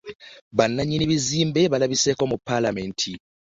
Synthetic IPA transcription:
βanːaɲːiniβiziːmbeβalaβiseːko̞mupːalamentʰi

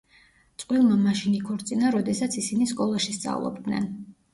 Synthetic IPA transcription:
t̪sʼqʼwilˠmamaʃinikʰɔɾt̪sʼinaɾɔd̪ɛsat̪sʰisiniskʼɔlˠaʃist̪sʼa̰vlˠɔ̰b̚d̪nɛ̰n

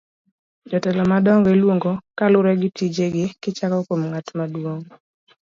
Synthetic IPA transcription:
d͡ʒɔtɛlɔmadɔŋɡɔelwoŋɡokalʊɾɛɡɪtid͡ʒeɡɪkɪt͡ʃakɔkomŋatmadwoŋ

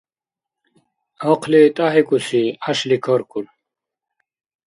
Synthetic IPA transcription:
oqʰlit̪aɦikusiaɕlikʰoɾkul

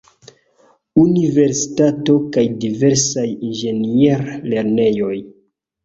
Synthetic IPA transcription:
unive̞ɾsi̥tato̞kajdive̞ɾsajinʒe̞nieɾle̞ɾne̞jo̞j

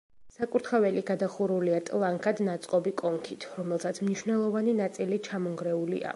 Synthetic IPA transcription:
sakʼuɾt̪ʰχavɛliɡad̪aχuɾuliat̪ʼlˠaŋkʰad̪nat̪sʼqʼɔbikʼɔŋkʰit̪ʰɾɔmɛlˠsat̪sʰmniʃwnɛlˠɔvaninat̪sʼilit͡ʃʰamɔŋɡɾɛulḭa̰

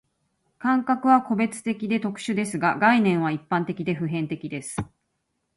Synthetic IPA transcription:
kãŋkakɯ̟βako̞be̞t͡sɨ̥t̪e̞kʲid̪e̞t̪o̞kɯ̟̥ɕɨd̪e̞sɨɡaɡainẽ̞ɰ̃β̞aipːãnt̪e̞kʲid̪e̞ɸɯ̟ɦẽ̞nt̪e̞kʲid̪e̞sɨ̥

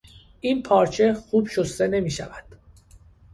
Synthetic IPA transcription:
ʔiːnpʰɒːɾt͡ʃʰe̞xuːbʃost̪e̞ne̞miːʃæ̰væd̪̥

